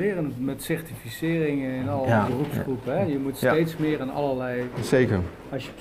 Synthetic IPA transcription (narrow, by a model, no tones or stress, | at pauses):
ɪːrənmɛtsɛɹtifisɪːrɪŋəɪnɑlˠəbərupsχrupəɦɛjəmutstejtsmɪːɹanɑ̰ləlɛjsejkəɹ | ɑsjə